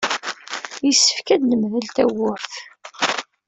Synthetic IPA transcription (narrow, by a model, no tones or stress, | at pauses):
jisːə̥fkæd̪nəmðəlt̪æwʊɾθ